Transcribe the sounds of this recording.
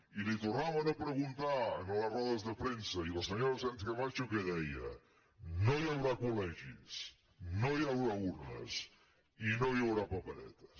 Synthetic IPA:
ilet̪oraβaðepɾeɣunt̪anolasroðazðepɾensailoseɲoɾosent̪keβat͡ʃokeðeja̰ | nojaβɾakoleʝis | nojaβɾauɾna̰s | inojaβɾapapelḛt̪ḁs

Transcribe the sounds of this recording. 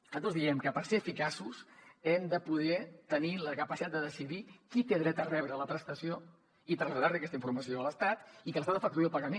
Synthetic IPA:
ət̪ozðiɛmkəpəɾseəfikasusɛmd̪əpuðɛt̪əniləkəpəsit̪at̪d̪əðəsiðikit̪eðɾɛt̪ərɛβɾələpɾəst̪əsio | it̪ɾəzəðaɾliəkɛst̪əiɱfuɾməsioələst̪at̪ikələst̪at̪əfək̚t̪ueəlˠpəɣəmen

